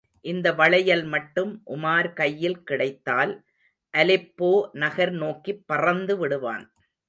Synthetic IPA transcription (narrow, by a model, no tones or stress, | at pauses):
ʔɪnd̪ɐʋɐɭɐjɐlmɐʈːɯmʔʊmaːɾkɐjːɪlkɪɽɐɪt̪ːaːl | ʔɐlɪpːoːnɐɣɐɾnoːkipːɐrɐnd̪ɯʋɪɽɯʋa̰ːn